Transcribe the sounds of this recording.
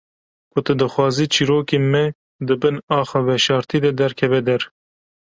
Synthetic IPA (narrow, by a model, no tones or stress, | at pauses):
kʰʊt̪ɨd̪ɨxwɑːziːt͡ʃʰiːɾoːkemɛ | d̪ɨbɨnɑːxɑvɛʃɑːɾt̪ʰiːd̪ɛd̪ɛɾkʰɛvɛd̪ɛɾ